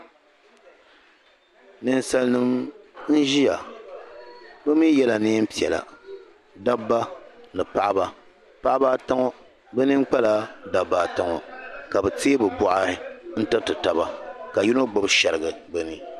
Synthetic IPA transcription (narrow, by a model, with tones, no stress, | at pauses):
nɨ˨n˦sa˨lnɨ˦mn̩˦ʒi˦ja˨ | bɛ˦miː˦jɛ˦la˨ne˦m̩˦pi˨ɛ˨la̰˨ | da˦bːa˦nɨ˨pa˦ʔa˦ba˦ | pa˦ʔa˦baː˦ta˦ŋɔ˦ | bɛ˦nɨ˦ŋ˦k͡pa˦la˦da˨bːaː˨ta˦ŋɔ˨ka˨bɛ˨teː˦bɨ˨bɔ˨ʔa˦hɪ˦n̩˦tɨ˦tɨ˨ta˨ba˦ka˨ji˦no˦ɡ͡bo˦bʃɛ˨ɾɨ˨ɡɨ˨bɛ˦nɨ˦